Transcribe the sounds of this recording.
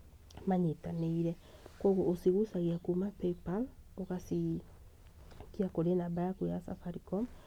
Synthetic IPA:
maɲetaneiɾɛ | kɔɣoʔosiɣusaɣiakumapepaloɣasi | kiakoɾenabajakuasafaɾikɔm

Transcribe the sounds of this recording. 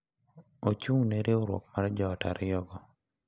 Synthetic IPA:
ot͡ʃuŋneɾeoɾwɔ̰kmaɾd͡ʒɔːta̰ɾɪjɔɡɔ

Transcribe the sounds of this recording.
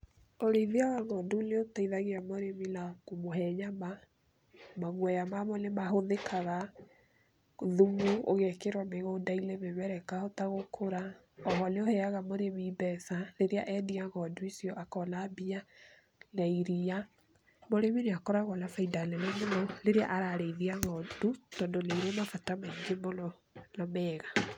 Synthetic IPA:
oɾeðiawaɣɔnduneotaiðaɣeamoɾeminakumoɦɛɲama | maɣwɛjamamɔnemaɦoðekʰaɣa | ðumuoɣɛkeɾwameɣoːdailemeβɛɾɛkahɔtaɣokʰoɾa | ɔɦɔneohɛaɣamoɾemibɛθaleɾeaʔɛdiaɣɔduisiɔʔakɔnabia | naiɾia | moɾeβineakɔɾaɣɔnafaidalɛnɛmonɔleɾea̰ʔaɾaɾeiðiaɣɔdutɔːndonaiɾamafatamaiŋɡemɔnɔ | nɔmɛːɣa

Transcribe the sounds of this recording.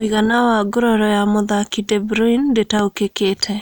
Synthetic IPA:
iɣanawaɡʊɾɔɾɔjamʊðakidɛbɾɔindetaokeketʰɛ

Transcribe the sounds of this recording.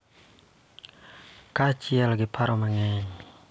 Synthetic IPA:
kat͡ʃialaɡipʰaɾɔmaŋɛɲ

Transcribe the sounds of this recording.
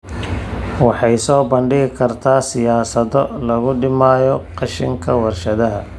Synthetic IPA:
wɑħɑjsɔːbɐɳɖɪɣɪkʰɐrt̪ʰaːsɪjaːsɐðɔlɐɣʊɖɪmaːjɔqɑʃɪŋkʰɐwɐrʃɐðɐɦɐ

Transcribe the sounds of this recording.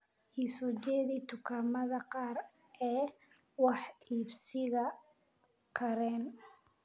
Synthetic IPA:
ʔiːsɔd͡ʒɛːðiːt̪ʰʊkʰaːmɐðɐqɑːr | ʔɛː | wɑħiːbsɪɣɐ | kʰɐɾɛːn

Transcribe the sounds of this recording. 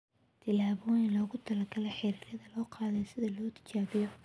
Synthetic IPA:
t̪ʰɪlaːβɔːjɪnlɔːɣʊt̪ʰɐlɐrɡɐlɛħɪɾiːɾɐðɐlɔːqɑːðɛjsɪðɐlɔːt̪ʰɪ̥t͡ʃaːβɪjɔ

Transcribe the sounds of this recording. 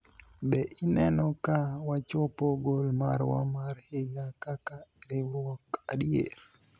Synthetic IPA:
bɛʔinɛnɔkawat͡ʃɔpɔɡolma̰ɾwa̰maɾhɪɡakakaiɾiɾwɔkaɗjḛl

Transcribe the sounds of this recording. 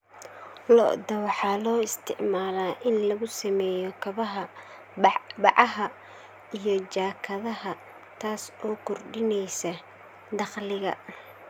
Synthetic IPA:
lɔ̰ʔd̪ɐwɑħɑːlɔːɪst̪ʰɪ̰ʕmaːlaːʔɪnlɐɣʊsɐmɛːjɔkʰɐβɐɦɐ | bɑʕɑɦɐ | ijɞt͡ʃaːkʰɐðɐɦɐ | t̪ʰaːsɔːkʰʊrɖɪnɛjsɐ | d̪ɑχlɪɣɐ̰

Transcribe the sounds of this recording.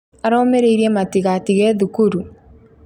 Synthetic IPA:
aɾɔːmeɾeiɾiɛmatiɣatiɣɛðukuɾu

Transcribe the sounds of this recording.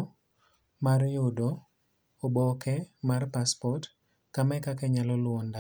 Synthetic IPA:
marjʊdo | obɔkɛmarpaspɔt | kamɛkakɛɲalɔlwɔnda

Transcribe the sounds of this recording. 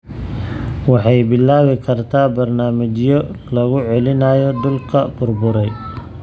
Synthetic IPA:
wɑħɑjbɪlːaːwɪkʰɐrt̪ʰaːbɐrnaːmɪt͡ʃjɔlɐɣʊʕɛlɪnaːjɔd̪ʊlkʰɐbʊrbʊɾɛj

